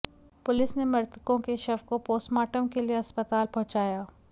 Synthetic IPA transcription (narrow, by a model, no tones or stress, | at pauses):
pʊlɪsnemɐɾt̪kõkeʃɐʋkopoːsmaːʈəmkelieɐspət̪aːlpɔɦt͡ʃaːjaː